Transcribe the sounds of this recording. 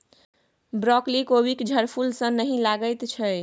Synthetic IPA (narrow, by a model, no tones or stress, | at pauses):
bɾɔklikobikd͡ʒʱəɾpʰulsə̃nəɦĩlaɡəjt̪t͡ʃʰəj